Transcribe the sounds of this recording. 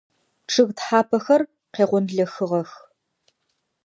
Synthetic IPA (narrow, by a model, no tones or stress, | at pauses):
ʈ͡ʂʰɨɣtħaːpʰɐxɐr | qeːʁʷɔnɮɐxɨʁɐx